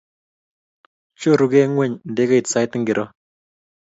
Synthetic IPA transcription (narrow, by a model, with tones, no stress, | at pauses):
t͡ʃo˦˨ɾu˨kɛ˦ŋwɛ˦˨ɲn̩˨de˦ka˦i˨tsa˦jtŋɡɪ˨ɾʔɔ˦